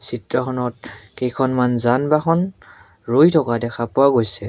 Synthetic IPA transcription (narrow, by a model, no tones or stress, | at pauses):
sitɹɔxʰɔnɔtkejkʰɔnmanzanbaxʰɔn | ɹojtʰɔkadɛkʰapʊwaɡojsɛ